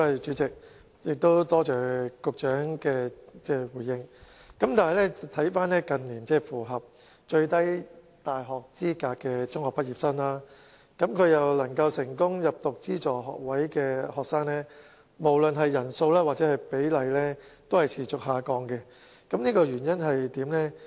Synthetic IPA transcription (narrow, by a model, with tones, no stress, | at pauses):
hɐ˨˩t͡ʃyː˨˥t͡sɪ˨k̚ | jɪ˨k̚t̪o˥wt̪ɔː˥t͡ʃœː˨˩kʊ˨k̚t͡ʃœː˨˥ŋkɛː˧t͡sɛː˥˩wuː˨˩jɪ˧ŋkɐ˨˥mt̪aː˨nɦɐ˨jlɛ˥˨t̪ʰɐ˨˥jfaː˥nlɛː˥kɐ˨nliː˨˩nt͡sɛː˥˩fuː˨˩ɦɐ˨p̚ | t͡ʃɵ˧ɥt̪ɐ˥j | t̪aː˨jɦɔː˨k̚t͡siː˥kaː˧kːɛː˧t͡sʊ˥ŋhɔː˨k̚pɐ˥t̚jiː˨p̚sɐ˥nlaː˥ | kɐ˨˥mkʰɵ˨˧jɐ˨wlɐ˨˩ŋkɐ˧wsɪ˨˩ŋkʊ˥ŋjɐ˨p̚t̪ʊ˨k̚t͡siː˥t͡sɔː˨˩ɦɔ̰ː˨k̚wɐ˨˥jkɛː˧hɔː˨k̚saː˥ŋnɛː˥ | mo˨˩wlɵ˨˧nɦɐ˨jːɐ˨˩nso˧wlaː˥waː˨˩t͡sɛː˨˥hɐ˨jpe˨˥jlɐ˨jlɛː˥t̪o˥whɐ˨jt͡sʰiː˨˩t͡sʊ˨k̚ɦaː˨˧kɔː˧ŋkɛ˧ | kɐ˨˦mniː˥kɔː˧jyː˨˩njɐ˥nɦɐ˨jt̪iː˨˥mlɛ˥